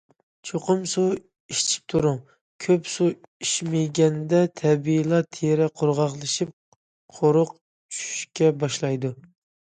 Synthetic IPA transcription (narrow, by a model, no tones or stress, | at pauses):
t͡ʃʰoqʊmsu | iʃt͡ʃʰi̥p̚t̪ʰuɾʊŋ | kʲʰøpsuiʃmɪjɡʲɛnd̪ɛt̪ʰɛbilˠɑt̪ʰeɾɛqʰʊɾʁɑχlˠɨʃip̚ | qʰoɾʊq | t͡ʃʰy̥ʃy̥ʃkʲɛbɑʃlˠɑjd̪u